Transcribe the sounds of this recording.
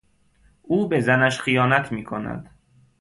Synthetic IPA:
ʔuːbezænæʃχijɒːnæt̪ʰmiːkʰo̞næ̰d̪̥

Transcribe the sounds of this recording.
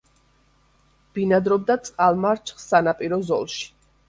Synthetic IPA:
b̥inad̪ɾɔb̚d̪at̪sʼqʼalˠmaɾt͡ʃʰχsanapʼiɾɔzɔ̰lˠʃi̥

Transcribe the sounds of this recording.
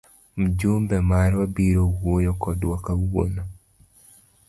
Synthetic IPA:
m̩d͡ʒumbɛmaɾwabiɾowojɔkɔdwakauwo̰no

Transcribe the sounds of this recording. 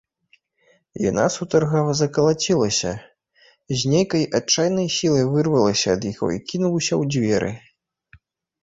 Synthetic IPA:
ja̰na̰sut̪ɐrɣɐvɐzɐkɐlˠat͡sʲilˠɐsʲɐ | zʲnʲejkɐjʔat͡ʂːajnɐjsʲilˠɐjvɨrvɐlˠɐsʲɐːd̪jiɣɔ̰ikʲinuwsʲɐwd͡zʲvʲɛɾɨ̰

